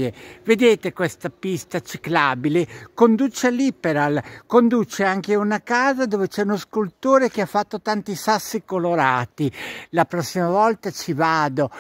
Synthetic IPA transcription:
eved̪eːt̪ekwest̪apist̪at͡ʃiklaːbilekond̪ut͡ʃealipeɾalkond̪uːt͡ʃeaŋkeunakaːzad̪oːvet͡ʃɛunoskult̪oːɾek̟eafːat̪ːot̪ant̪isasːikoloɾaːt̪ilapɾɔsːimavɔlt̪at͡ʃivaːd̪o

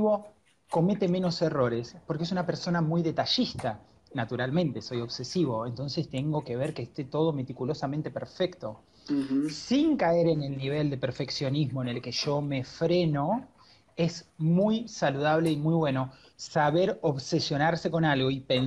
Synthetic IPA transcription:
βo̞ | ko̞me̞t̪e̞mẽ̞no̞se̞ro̞ɾespoɾkees̬unapeɾso̞namujðe̞t̪aʃist̪a | nat̪uɾalmẽnt̪eso̞jo̞βsesiβo̞e̞nt̪o̞nse̞st̪e̞ŋɡo̞ke̞β̞eɾkeːst̪e̞t̪o̞ð̞o̞met̪ikulo̞samẽnt̪e̞peɾfekt̪o̞ | siŋkaeɾene̞lniβ̞e̞ld̪e̞peɾfe̞ksjo̞nizmoene̞lke̞ʒo̞me̞fɾe̞no̞ | e̞smujsaluð̞aβ̞leimujβwe̞no̞ | saβeɾoβsesjo̞naɾse̞ko̞nalɣo̞ipen

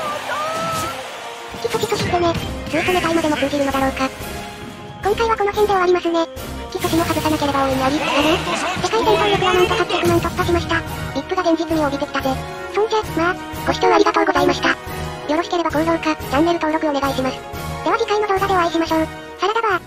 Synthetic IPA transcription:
kʲi̥sokʲisoɕʲit̪ːene̞d͡zɨːt̪onekaimad̪e̞mokɯ̟ːd͡ʑʲiɾɯno̞d̪aɾo̞ːka | kõ̞ŋkaiβako̞nokend̪eaɾʲimasɨne̞ | kʲisoɕimokazɨsanake̞ɾe̞baoːiɲioɾʲinaɾisekait̪ent̪õːnɾokɯ̟βanãnt̪ohakɾʲakɯ̟mãɲ̟t̪opːaɕimaɕi̥t̪a | ɾʲipːɯ̟ɡad̪ẽ̞ɲ̟d͡ʑit͡sɨɲ̟ioɡʲit̪e̞kʲi̥t̪at̪e | sonkemat̪a | ɡ̥o̞ɕi̥t̪oːaɾʲiɡat̪o̞ːɡo̞zaimaɕi̥t̪a | jo̞ɾo̞ɕi̥ke̞ɾe̞baɡõ̞nzõŋkad͡ʑãnːe̞ɾɯt̪o̞ːɾo̞kɯ̟one̞ɡaiɕimasɨ̥jaβaɡʲikainod̪o̞ːɡad̪e̞aiɕimaɕoː | saɾet̪aba

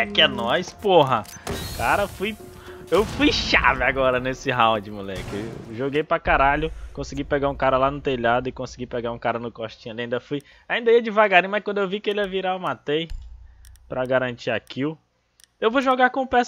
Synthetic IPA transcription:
kɪɛnɔjspoɦɐ | kaɾɐfuj | ewfujʃa̰vɪaɡɔɾɐnesɪɦaw̃d͡ʒɪmulɛ̰kɪeʒoɡejpɾakaɾaʎʊkõsiɡipɛɡaũkaɾɐlanʊt̪eʎad̪ʊɪkõsiɡipɛɡaɾũkaɾɐnʊkoʃt͡ʃĩɲaliaĩd̪ɐfuj | aĩnd̪ɐiɐd͡ʒɪvaɡaɾĩmajskwɐ̃nd̪ʊewvikɪelɐviɾaemat̪ej | pɾɐɡaɾɐ̃t͡ʃiakilʊ | ewvoʒɔɡaɾkõũpɛs

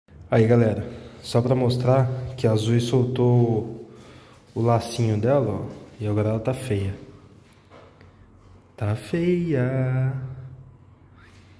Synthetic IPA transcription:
aiɡalɛɾɐsɔpɾɐmost̪ɾaɾkɪazujsowt̪o | ʊlasĩɲʊd̪ɛlɐɔ̰ɪaɡɔɾɐɛlɐt̪afejɐ | t̪afejɐ

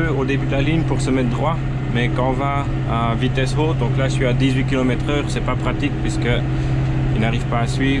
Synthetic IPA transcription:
øod̪ebyd̪laliɲpuʁsəmɛt̪̚d̪ʁwa | mɛkɑ̃va | avit̪ɛsoːt̪̚d̪ɔ̃klasɥiad̪izɥikʲilɔmɛt̪χœːʁsɛpapχat̪ik̚pɥiskə | ilnaʁivpaːsɥiːv

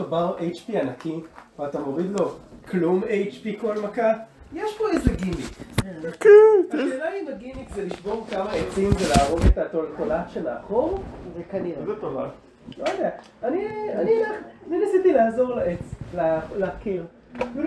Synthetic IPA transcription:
obaʁʔejt͡ʃpianakiat̪amo̞ʁid̪lo̞klumejt͡ʃpiko̞lmakajeʃpo̞ezeɡimikkʃelajimaɡimikzeliʃbo̞ʁkamaet͡simzelaːʁo̞ɡet̪atoltolatʃemea̰χomvekaniʁezet̪ova̰ | lojad̪ea | anianninaninasit̪ilaːzo̞ʁlaʔet͡slaleakil

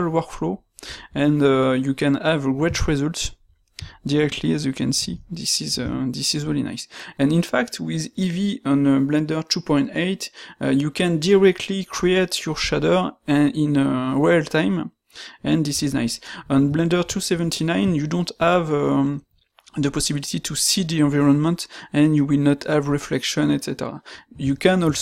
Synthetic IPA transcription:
lwɔkflo | ɛ̃nəjukɛ̃navɹɛt͡ʃɹɛzults | diɹɛk̚tʰliæzjukʰɛ̃nsiðisiz̰ðisizɹilina̰jsɛ̃nĩnfaktwiðiviə̃nblɛ̃ndə˞tʰupɔ̃j̃ntejtjukɛ̃ndiɹɛk̚tʰlikʰɹietʰjɔɹʃadəɛ̃ĩnəɹɔlt̪ʰãjm | ɛ̃nd̪isizna̰jsɔ̃nblɛ̃ndə˞tʰusɛvɛ̃ntʰinãj̃njudɔ̃ntavə | ðəpɔsibilit̪it̪ʰusid̪iɑ̃viɹɔ̃nmə̃ntɛ̃njuwilnɔt̪havɹɛflɛkʃɔ̃nɛtsɛtɛ̰ɹa̰jukɛ̃nɔls

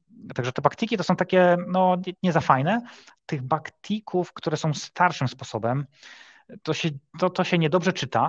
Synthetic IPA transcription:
t̪aɡʐɛt̪ɛbakt̪ikʲit̪ɔsɔ̃w̃t̪akʲɛnɔɲɛɲɛzafajnɛt̪ɘɣbakt̪ʰʲikʰufkt̪uɾɛsɔ̃w̃st̪ʰaɾʂɨmspɔsɔbɛm | t̪ɔɕɛt̪ɔt̪ɔɕɛɲɛd̪ɔbʐɛt͡ʂɘt̪a

